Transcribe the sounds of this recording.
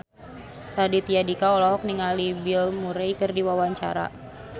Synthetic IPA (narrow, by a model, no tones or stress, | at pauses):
t̪adit̪ijadikaɔlɔɦɔk̚niŋalibilmuɾɛjkɨrdiwawaɲt͡ʃa̰ɾa̰